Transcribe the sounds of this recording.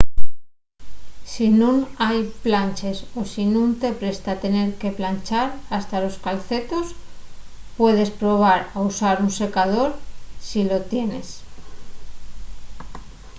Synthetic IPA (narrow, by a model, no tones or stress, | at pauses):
sinunajplant͡ʃe̞so̞sinũnt̪e̞pɾe̞st̪at̪e̞ne̞ɾke̞plant͡ʃaɾast̪alo̞skalθe̞t̪o̞s | pwe̞ð̞e̞spɾo̞β̞aɾausaɾunse̞kað̞o̞ɾsilo̞t̪je̞ne̞s